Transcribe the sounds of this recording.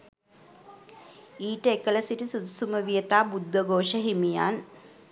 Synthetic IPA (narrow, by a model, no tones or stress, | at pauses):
iːʈəekəlɐsiʈisud̪suməʋijət̪aːbud̪ːəɡoːʃəɦimija̰ːn